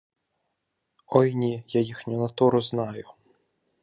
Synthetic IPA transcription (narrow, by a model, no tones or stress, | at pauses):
ɔjnʲijajixnʲʊnɐt̪uɾʊznɑjʊ